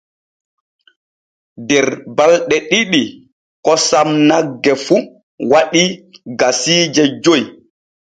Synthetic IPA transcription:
dɛɾbalɗɛɗiɗi | kɔsamnaɡːɛfu | waɗiɡasiːd͡ʒɛd͡ʒoj

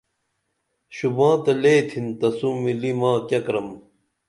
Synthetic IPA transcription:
ɕubãːt̪ɐleːt̪ʰint̪ɐsumilimãːkɐkɾɐm

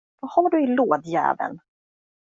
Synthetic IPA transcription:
vahaɖɵɪloːd̪jæ̰ːvə̰n

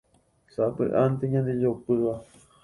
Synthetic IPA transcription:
sapɨ̰ʔant̪eɲãnd̪ijopɨwa

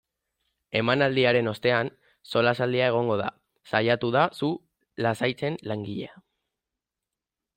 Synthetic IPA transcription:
e̞manald̪iaɾe̞no̞st̪e̞an | so̞lasald̪iae̞ɣ̞o̞ŋɡo̞ð̞a̰ | sajat̪uðasu | lasajt͡se̞nlaŋɡiʎea

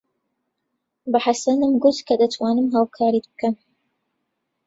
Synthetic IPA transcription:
baħasɐnɨmɡʊt̪kʰɐd̪ɐt̪ʰwaːnɨmɦaːwkʰaːɾit̪bɨ̥kɐn

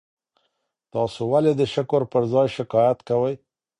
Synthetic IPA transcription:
t̪ɑsowaled̪əʃɪkoɾpəɾzɑjʃɪkɑjat̪kawəj

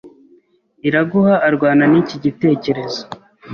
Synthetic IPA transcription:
iɾaɡuhaʔːɾɡwaːnaniciɟite̞ːce̞ɾe̞zo̥

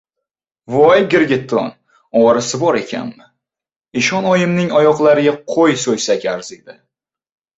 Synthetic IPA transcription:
vɒjɡʲɪɾɡʲɪt̪ʰːɒ̰n | ɒɾasɪbɒɾe̞kʲʰa̰nmɪ | ɪʃɒnɒjɪmnɪŋɒjɒqlˠaɾɪɡʲaqʰojsojsakʲaɾzɪk̚ʲd̪a

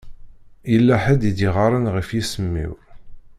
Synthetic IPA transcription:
jəlːæħəd̪id̪iʁɑɾˤənʁəfjisəmːḭɾ

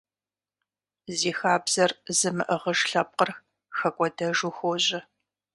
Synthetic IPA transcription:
ziːxaːbz̥ɐrzɨmɨʔəʁəʂɬɐp̚qər | xɐkʷʼɔdɐʒuxoʑɪ

